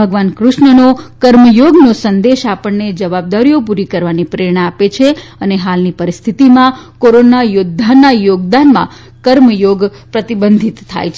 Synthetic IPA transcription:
bʱəɡʋankɾʊʃɳənokəɾməjoɡnosənd̪eʃapəɳned͡ʒəʋab̚d̪aɾijopuɾikəɾʋanipɾeɾɳ̃aapet͡ʃʰeəneɦalnipəɾist̪ʰit̪imãkoɾonajʊd̪ʱːanːajoɡd̪anmã̰ | kəɾməjoɡpɾət̪ibənd̪ʱit̪ʰːa̰jt͡ʃʰe

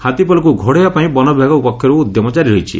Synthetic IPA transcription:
hat̪ipɔlɔk̬uɡʱoɽejapaĩbɔnɔbʱaɡɔupɔkʰːjɔɾuːd̪jɔmɔt͡ʃaɾiɾɔjt͡ʃʰḭ

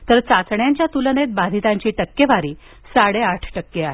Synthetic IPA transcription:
t̪əɾt͡sat͡sɳjaɲt͡ɕjat̪ulənet̪̚bad̪ʱit̪aɲt͡ɕiːʈəkːeʋaɾiː | saɽeaʈʰʈəkːeaɦe

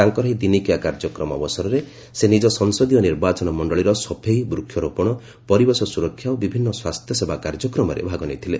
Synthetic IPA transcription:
aŋkɔɾɔɦid̪inikiakaɾd͡ʒɔkɾɔmɔ̰bɔsɔɾɔɾe | senid͡ʒɔsɔŋsɔd̪ijɔniɾbat͡ʃɔnɔmɔɳɖɔɭiɾɔsɔpʰejbɾukʰːjɔɾopɔɽ̃ɔ | pɔɾibɔsɔsuɾɔkʰːjaobibʱinːɔswast̪ʰjɔsebakaɾd͡ʒɔkɾɔmɔɾḛbʱaɡɔnejt̪ʰile

